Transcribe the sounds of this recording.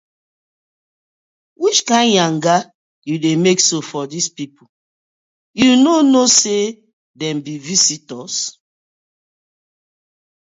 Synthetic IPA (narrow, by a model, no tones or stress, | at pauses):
wit͡ʃkãɪ̃nãŋɡa | judemeksofɔdispipʰu | junonose | dɛ̃mbivisitɔs